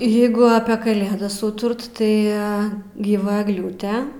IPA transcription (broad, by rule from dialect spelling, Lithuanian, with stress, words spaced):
ˈjeːɡʊ ɐpʲeː kɐˈlʲeːdɐs ˈuːtʊrt tɐɪ ɡʲiːˈʋɐ ɛɡˈlʲuːtʲɛ